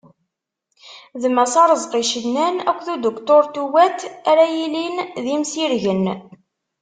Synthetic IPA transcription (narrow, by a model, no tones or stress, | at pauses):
ðmæsɑɾˤəzˤqiʃənnːænækʷːθud̪okt̪oɾt̪uwæt̪æɾæjilinðimsiɾʝən